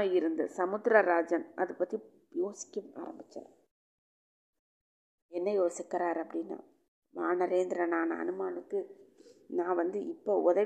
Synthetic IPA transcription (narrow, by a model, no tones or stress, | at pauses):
ɐjɪɾɯnd̪ɯ̰sɐmʊt̪ɾɐɾaːd͡ʒɐnɐðɯpɐt̪ːi | joːsɪ̥kʲːɯma̰ːɾɐmbɪt͡ʃːa̰ː | ɛnːɐjoːsɪkːɐɾaːɾɐpːɐɽinːã̰ː | ʋaːnɐɾeːnd̪ɪɾɐnaːnɐ̰ɐ̰nɯmaːnɯkːɯ | nãːʋɐnd̪ɯʔɪpːoːɔðɐ